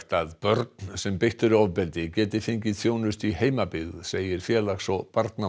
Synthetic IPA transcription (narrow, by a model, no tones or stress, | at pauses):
t̪aðpœɾt̪nsɛmpɪjht̪ʏɾavpɛlt̪ɪcɛːt̪ɪfɪɲcɪðθjoːwnʏst̪iheːjmapɪɣðseːjɪɾ̥fjɛːlaxsɔpaɾt̪na